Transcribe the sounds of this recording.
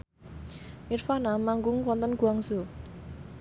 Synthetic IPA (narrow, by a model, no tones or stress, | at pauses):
ʔirfanamaŋɡʊŋkwɔnt̪ənkuaŋsu